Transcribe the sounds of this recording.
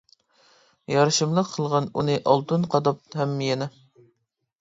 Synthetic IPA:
jɑɾɨʃɨmlˠəqʰːəlˠʁɑnunɨʔɑlˠt̪ɨnqʰɑd̪ɑp̚hɛmːjɛnɪ

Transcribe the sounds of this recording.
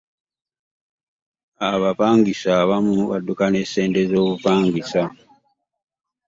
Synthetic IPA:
aβapaːŋɡisaβamuβa̰dukane̞ːse̞ːndezo̞ːβupaːŋɡisa

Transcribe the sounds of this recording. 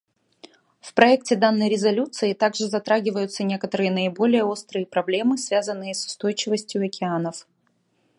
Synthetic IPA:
fpɾɐɛk̚tʲɪd̪anːəjɾʲɪzɐlʲut̪sɨɪt̪aɡʐɨzɐt̪ɾaɡʲɪvəjʊt̪sənʲe̞kət̪əɾɨjənəɪbo̞lʲɪjəo̞st̪ɾɨjəpɾɐblʲe̞mɨsvʲazənːɨjəsʊ̥st̪o̞jt͡ɕɪvəsʲtʲjʊɐkʲɪanəf

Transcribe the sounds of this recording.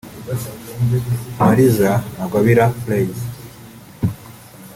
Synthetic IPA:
maɾizaaɡaβiɾaplejz

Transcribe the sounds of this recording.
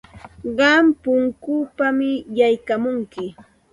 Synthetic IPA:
ɢɑmpʊŋkʊpamɪjajkamʊŋkɪ

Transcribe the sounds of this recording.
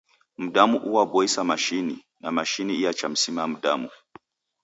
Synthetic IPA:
m̩ɗamuʔuwabɔisamaʃini | namaʃiniijat͡ʃam̩simam̩ɗamu

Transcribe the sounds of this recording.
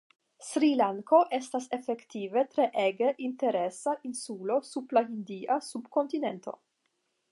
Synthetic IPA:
sɾilaŋko̞ʔe̞stase̞fe̞ktive̞tɾe̞ʔeɡe̞ʔinte̞ɾe̞saʔinsulo̞sublahindiʔasubko̞ntine̞ntʰo̞̰

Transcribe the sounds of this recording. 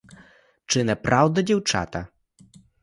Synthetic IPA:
t͡ʂɨnɛpɾʔawd̪ɛd͡ʑɛwt͡ʂa̰t̪a

